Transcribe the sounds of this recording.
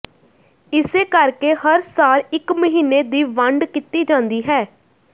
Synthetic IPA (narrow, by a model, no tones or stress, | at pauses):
ɪseːkəɾkeːhəɾsaːlɪkməɦiːnːeːd̪iːʋəɳɖkɪt̪iːd͡ʒãːnd̪iːɦɛː